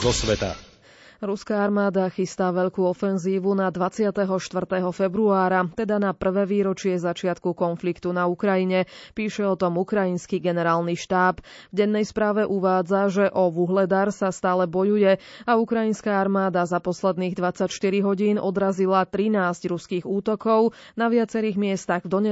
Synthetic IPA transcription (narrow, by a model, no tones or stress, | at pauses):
zɔsʋɛt̪a̰ | ɾuskaːaɾmaːd̪axist̪aʋɛʎkuːɔfɛnziːʋunad̪ʋat͡sɪat̪ɛɦɔʃt̪ʋr̩t̪ɛɦɔfɛbɾuaːɾat̪ɛd̪anapr̩ʋɛːʋiːɾɔt͡ʃɪɛzat͡ʃɪat̪kukɔnflikt̪unaukɾajiɲɛpiːʃɛɔt̪ɔmukɾajinskiɡɛnɛɾaːlniʃt̪aːpvɟɛnːɛjspɾaːʋɛʔuʋaːd͡zaʒɛʔɔʋuɦlɛd̪aɾsast̪aːlɛbɔjujɛaukɾajinskaːaɾmaːd̪azapɔslɛd̪niːɣd̪ʋat͡sacʃt̪iɾiɦɔɟiːnʔɔd̪ɾazilat̪ɾinaːzɟɾuskiːɣuːt̪ɔkɔʊ | naʋɪat͡sɛɾiːɣmɪɛst̪aɣvd̪ɔɲɛ